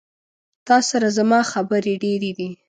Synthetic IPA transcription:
t̪ɑsaɾazamɑxabəɾeɖeɾed̪i

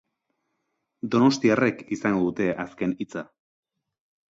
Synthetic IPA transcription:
d̪o̞no̞st̪iarekisaŋɡo̞d̪ut̪e̞ʔaske̞nit͡sa

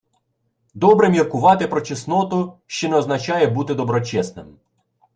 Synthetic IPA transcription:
d̪ɔbɾɛmʲirkʊʋɑt̪ɪpɾɔt͡ʃɪsnɔt̪ʊʃt͡ʃɔnɛɔznɐt͡ʃɑjɛbut̪ɪd̪ɔbɾɔt͡ʃɛsnɪ̰m

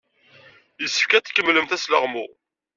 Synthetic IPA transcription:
jəsːə̥fkæt̪kːəmːləmt̪æslə̰ʁmʊ̰ʁ

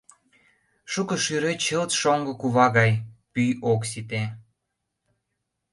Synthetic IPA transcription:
ʃukɤ̆ʃyɾet͡ɕəlt̪ʃoŋɡɤ̆kuβɑɣɑjpyjoksit̪e

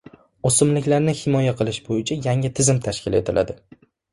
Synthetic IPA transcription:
osʊmlɪkʲlaɾnɪhɪmɒjaqʰɨlˠɪʃbojɪt͡ʃʰajaŋɪt̪ʰɪzɪmt̪ʰaʃkʲɪle̞̰t̪ʰɪlʔa̰d̪ɪ

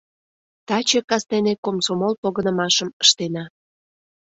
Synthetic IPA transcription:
t̪ɑt͡ɕekɑsnenekomsomolpoɣənəmɑʃəməʃt̪enɑ

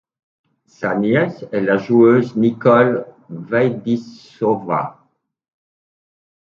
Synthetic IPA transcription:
sanjɛsɛlaʒuøznikɔl | vajd̪is | ɔva̰

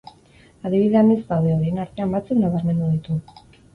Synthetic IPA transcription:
aðiβiðe̞ane̞zd̪awðe̞oɾienaɾt̪e̞ambat͡suknaβaɾme̞nd̪uðit̪u

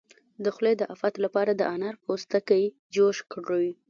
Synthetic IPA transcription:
d̪əxled̪əʔafat̪lapɑɾad̪əʔanaɾpʰost̪akai | d͡ʒoʃkɽowi

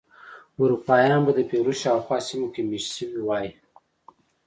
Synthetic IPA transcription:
ʊɾupɑːjɑːnbad̪əpeɾoʃɑwxwɑːsimokemiʃsəwiwɑːji

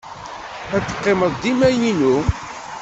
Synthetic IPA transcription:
æt͡sːə̥qːeməðˤd̪imæjninu

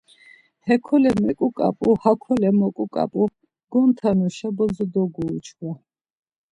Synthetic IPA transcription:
hɛkʰɔlɛmɛkʼukʼa̰pʼuhakʰɔlɛmɔkʼukʼa̰pʼu | ɡ̥ɔnt̪ʰanuʃabɔzɔd̪ɔɡuːt͡ʃʰwa

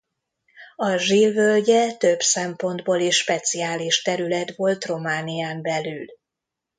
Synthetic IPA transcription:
ɒʒilvølɟɛt̪øbsɛmpo̞nd̪boːleːʃːpɛt̪sijaːliʃt̪ɛɾylɛt̪ʋo̞lt̪ro̞maːnijaːmbɛlyl

